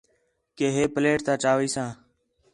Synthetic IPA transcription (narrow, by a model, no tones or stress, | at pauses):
keːɦeːpəleːʈt̪ãːt͡ʃaːʋiːsãː